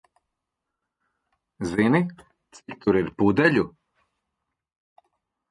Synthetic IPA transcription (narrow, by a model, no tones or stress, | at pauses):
zini | t͡sikt̪ʰuɾiɾpuːd̪ɛʎu